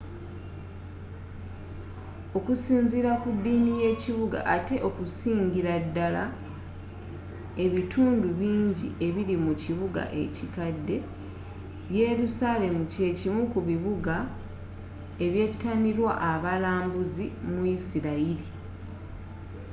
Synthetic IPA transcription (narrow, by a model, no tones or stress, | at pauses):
o̞kusiːɲziɾakudːiːnije̞ːciβuɡa̰ʔate̞ʔo̞kusiːɲɟiɾadːala | e̞βitʰuːnduβiːɲɟie̞βiɾimuciβuɡa̰ʔe̞̰cikadːe̞ | βje̞ɾusale̞muce̞cimukuβiβuɡa | e̞βje̞tːaniɾwa̰ʔːβalaːmbuzimuisiɾaili